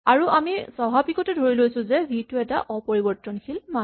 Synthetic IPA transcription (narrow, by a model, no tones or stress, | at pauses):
aɹuʔamisɔbʱabikɔtɛdʱoɹilojsʊ̃zɛbitʊɛta̰ʔʔɔpoɹibɔɹtɔnkʰilma